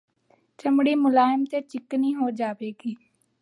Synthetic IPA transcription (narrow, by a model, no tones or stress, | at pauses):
t͡ʃəmɽiːmʊlaːɪmt̪eːt͡ʃɪkniːɦoːd͡ʒaːʋeːɡiː